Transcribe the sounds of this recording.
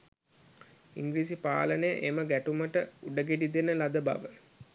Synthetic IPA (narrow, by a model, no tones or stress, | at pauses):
iŋɡliːs̬ipa̰ːlənəjə̰ʔeməɡæʈuməʈəuɖəɡeɖid̪enəlad̪əba̰ʋə